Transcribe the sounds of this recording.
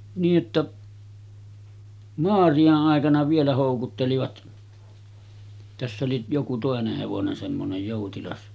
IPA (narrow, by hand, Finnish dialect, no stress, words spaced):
niːʔ ʔetːæ moɑrij̆ɑʔ ʔɑˑekɑnɑ ʋielæ hoˑukutːeliʋɑt tæsː oli joku toˑeneh heʋonen semːonej joˑutilɑs